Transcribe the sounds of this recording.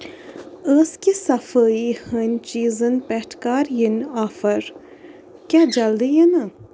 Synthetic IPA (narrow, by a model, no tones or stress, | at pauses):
əːskisɐfəːihənʲt͡ʃiːzənpɛʈʰkaːɾjinaːfɐɾ | kʲjaːd͡ʒɐld̪ijenɐ